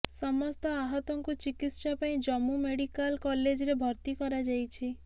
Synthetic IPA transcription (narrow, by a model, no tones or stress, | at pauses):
sɔmɔst̪ɔaɦɔt̪ɔŋkut͡ʃikit̪ʃapaĩd͡ʒɔmumeɽikalkɔled͡ʒɔɾebʱɔɾt̪ikɔɾad͡ʒajt͡ʃʰi